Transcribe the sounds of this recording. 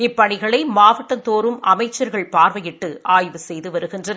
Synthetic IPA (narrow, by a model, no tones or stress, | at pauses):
ɪpːɐɳɪɣɐɭɐɪmaːʋɐʈːɐnt̪oːɾɯmʔɐmɐɪt͡ʃːɐɾɣɐɭpaːɾʋɐjɪʈːɯʔaːjʋɯsɛjðɯʋɐɾɯɣɪndrɐn